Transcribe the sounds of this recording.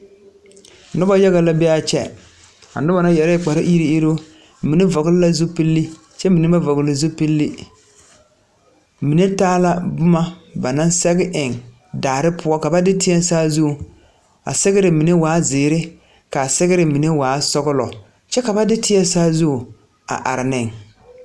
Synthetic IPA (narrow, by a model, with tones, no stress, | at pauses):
nʊ˦ba˦ja˦ɣa˨la˦bɛ˦a˦t͡ʃɛ̰˦ | a̰˨nʊ˦ba˨na˦jɛ˨ɾɪ˦k͡pa˨ɾɪ˦ʔi˦ɾi˦i˦ɾo˦ | mi˨ne˦vɔ˨ɡɪ˦lɪ˦la˦zu˦pi˦lːi˦ | t͡ʃɛ˦mi˨ne˦ba˦vɔ˨ɡɪ˨˦lɪ˨zu˦pi˦lːi˦ | mi˨ne˦taː˦la˦bʊ˦ma˦ba˨na˦nsɛ˦ɡɪ˦ʔɪ˨ŋ | daː˨ɾɪ˦pʰʊ˦ɔ˦ka˨ba˦dɪ˦tɪ˦ɛ˦nsaː˦zu˦˨ | a̰˨sɛ˦ɣɪ˦ɾɪ˨mi˨ne˦waː˨˦zɪː˨ɾɪ˦ | ka˨sɛ˦ɣɪ˦ɾɪ˨mi˨ne˦waː˨˦sɔ˦ɡʊ˦lɔ̰˨ | t͡ʃɛ˦ka˨ba˦dɪ˦tɪ˦ɛ˦saː˦zu˦˨ | a̰˨ʔa̰˨ɾɪ˨nɪ˨ŋ